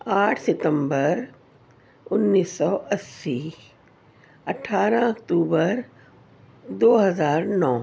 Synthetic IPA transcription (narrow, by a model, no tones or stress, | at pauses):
aːʈʰsɪt̪ə̃mbəɾ | ʊnːiːsːɔʔɐsːi | ɐʈʰaːɾãɐkt̪uːbəɾ | d̪oːɦɐzaːɾnɔː